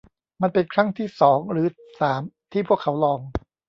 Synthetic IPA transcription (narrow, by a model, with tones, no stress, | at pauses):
ma˧npe˧nkʰɾa˥˩ŋt̪ʰiː˥˩sɔː˩˦ŋɾɯː˩˦ | saː˩˦mt̪ʰiː˥˩pʰu˥˩əkʰːa˩˦wlɔː˧ŋ